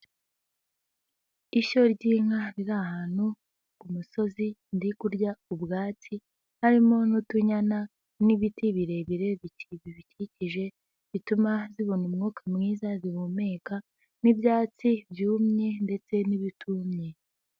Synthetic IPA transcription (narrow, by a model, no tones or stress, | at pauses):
iʃo̞ɾɟiːŋ̥aɾiɾahaːn̥u | kumuso̞zindikuɾɟaubɡaːt͡si | haɾimo̞nutuɲana | niβitiβiɾe̞βiɾe̞βiciβiβiciciʒe̞ | βitumaziβunumŋuːkʰamŋiːzaziβume̞ːka | nibjaːt͡sibjuːmɲe̞nde̞t͡se̞niβitʰumɲe̞